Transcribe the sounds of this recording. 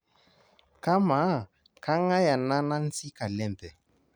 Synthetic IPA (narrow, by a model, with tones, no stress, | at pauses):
ka˦ma˨˦˨ | ka˦ŋa˦ja˨na˦na˦n̩˦t͡si˦ka˨lɛ˦mbɛ˨